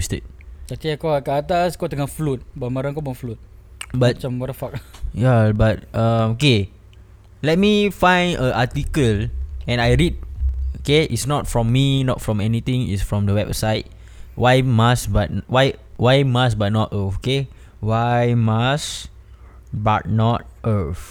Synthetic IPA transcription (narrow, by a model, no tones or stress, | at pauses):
stḛt̚tat̪iakaakaːt̪askot̪əŋaflut̪̚bambaɾãŋkabaflut̪̚bat̚t͡ʃambaɾãfak̚jabat̚ə̃moke | lɛt̚mifãjnəʔatikəlɛ̃najɹit̚okeʔḭtsnɔt̚fɹɔ̃mːinɔt̚fɹɔ̃mɛnit̪ĩŋḭtsfɹɔ̃mdəwɛp̚sajt̚ | wajmasbat̚nwajwajmas̬bat̚nɔtooke | wajmas | bat̚nɔt̚ʔəf